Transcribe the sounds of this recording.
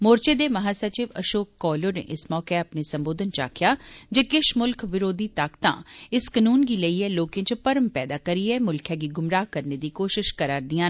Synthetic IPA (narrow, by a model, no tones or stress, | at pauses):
moːɾt͡ʃeːd̪eːməɦaːsət͡ʃɪʋə̰ʃoːkːɔːlonḛːʔɪsmɔːkeːəpneːsə̃mboːd̪ənt͡ʃa̰ːkʰjaːd͡ʒekɪʃmʊlkʰʋɪɾoːd̪iːt̪aːkt̪ã̰ːɪskənuːnɡiːləiːɛːloːkẽt͡ʃpəɾəmpɛːd̪aːkəɾiːɛːmʊlkʰɛ̃ːɡiːɡʊmɾaːɦkəɾneːd̪iːkoːʃɪʃkəɾaːɾd̪ɪjãː